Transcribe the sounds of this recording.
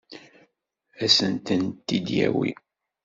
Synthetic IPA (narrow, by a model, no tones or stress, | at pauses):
æsənt̪ənt̪ːid̪jæ̰wḭ